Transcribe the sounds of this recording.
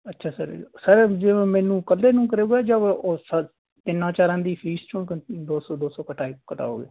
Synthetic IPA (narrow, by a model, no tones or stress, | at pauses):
ətːʃʰaːsəɾsəɾd͡ʒemɛ̃ːnũːkəlːeːnũːkəɾeːɡɛːd͡ʒaʋoːsə | t̪ɪnãːt͡ʃaːɾãːd̪iːpʰiːst͡ʃʰʊɳkd̪oːsoːd̪oːsoːkəʈaːikəʈa̰ːo̰ːɡḛː